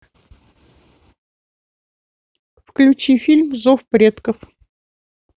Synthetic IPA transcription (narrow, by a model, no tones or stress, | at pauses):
fklʲʉt͡ɕifʲilʲmzofpɾʲet̪kəf